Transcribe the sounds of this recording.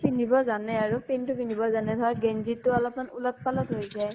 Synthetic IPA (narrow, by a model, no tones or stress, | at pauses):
pinibɔzanɛaɹupentʊpinibɔzanɛdɔɹaɡɛnzitːʊalɔpmanulɔt̚palɔtɦojzaj